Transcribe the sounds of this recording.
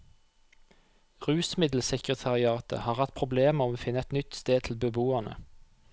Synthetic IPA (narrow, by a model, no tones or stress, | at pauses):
ʁʉːsmɪd̪l̩sɛkʁət̪ʰɑʁɪɑːt̪ə̰hɑːʁhɑt̪̚pʰʁʊbleːmɔmoːfɪnəɛt̪nʏt̪st̪eːd̪̚t̪ʰl̩bəbuːɑnə̰